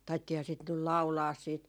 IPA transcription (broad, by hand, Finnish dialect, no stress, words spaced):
tɑitːiːhɑː sit nyl lɑu̞lɑːs siːt